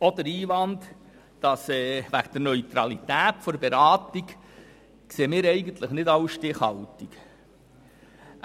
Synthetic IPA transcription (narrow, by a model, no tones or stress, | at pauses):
ɔdəɾiːʋɑnd | d̥ɑsɛːʋæɡd̥̪əɾnœʏt̪ɾɑlit̪æːtfɔɾbeɾɑːtik | kseːmɪːɾɛɪɡənt̪ləχnɪdɑwʃtɪχhɑlt̪ik